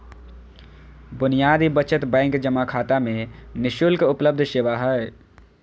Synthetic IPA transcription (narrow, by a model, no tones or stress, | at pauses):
bʊnijaːd̪ibət͡ʃət̪bɛ̃ːŋkd͡ʒəmakʰaːt̪amẽnɪʃulkʊpləb̚d̪ʱʃɪʋaɦɛ